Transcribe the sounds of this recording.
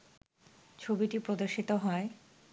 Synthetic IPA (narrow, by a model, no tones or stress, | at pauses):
t͡ɕʰobiʈipɾod̪oɾʃit̪oɦɔe